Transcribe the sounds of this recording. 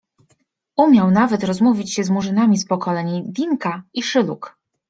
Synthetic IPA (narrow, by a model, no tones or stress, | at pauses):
umʲjawnavɛt̪ɾɔzmuvʲit͡ɕɕɛzmuʐɘnamʲispɔkɔlɛɲid̪ʲiŋkaiʂɘlṵk